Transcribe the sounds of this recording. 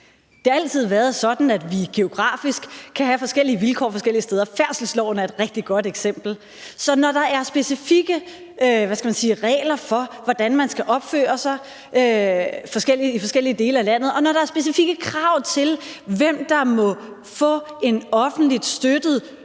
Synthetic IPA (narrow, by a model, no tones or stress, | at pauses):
d̥e̝hɑ̈æl̰t͡sʰið̞̰ˠʋæːɐð̩ˠsɒ̽d̥n̩æd̥ʋiɡ̥e̝o̝ɡ̥ʁɑ̰̈ːfisɡ̥kʰːæɦæfɒ̽sɡ̥el̰iəʋilkʰɒ̰ːfɒsɡ̥el̰iəsteːðˠɐfæɐ̰sl̩slɒʊ̰næɐe̝d̥ʁɛɡ̥̚d̥iɡ̥ɒ̽d̥eɡ̥sem̰b̥l̩ | sɒ̽nɒd̥ɑ̈ʔæɐsb̥e̝sifiɡ̥ə | ʋæskɡ̥æmænsiːʁɛ̰ːlɐfɒ̽ʋɒd̥ænmænsɡ̥æʔɒ̽b̥fø̰ːɐsɑ̈ɪ | øfɒ̽sɡ̥el̰iifɒ̽sɡ̥el̰iəd̥e̝ːləælæn̰ð̞̩ˠɒ̽nɒɾ̥ɑ̈æɐsb̥e̝s̬ifiɡ̥əkʰʁɑ̈ʊ̰t͡sʰe̝lʋem̰d̥ɑ̈mɒ̽ | fɔ̰̽ːe̝nɒ̽fn̩d̥lid̥sd̥ød̥ð̩ˠ